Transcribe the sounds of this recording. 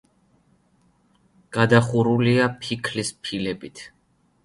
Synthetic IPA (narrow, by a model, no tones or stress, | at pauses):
ɡ̥ad̪aχuɾuliapʰikʰlispʰilɛbit̪ʰ